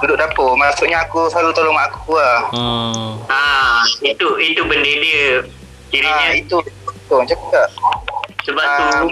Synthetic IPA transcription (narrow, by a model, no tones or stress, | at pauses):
dudʊʔdapomasuʔɲaakuslalut̪olɔŋaʔakukuah | ait̪uit̪ubəndediə | kiɾiaɲait̪ut̪oŋt͡ʃakaʔsəbaa